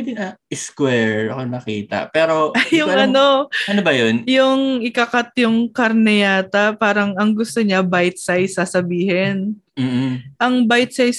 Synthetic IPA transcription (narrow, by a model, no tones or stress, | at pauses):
d̪ɪnɐʔɪskwɛɹɐkonɐkiːt̪ɐ̰pɛːɾojʊŋŋɐno̞ʔɐnobɐjonjʊŋʔɪkɐkat̪jʊŋkɐɾnɛjaːt̪ɐpaːɾɐŋɐŋɡʊst̪oɲabajt̪̚sajsɐsɐbiːhɛn | m̩ːʔɐŋbajt̪̚sajs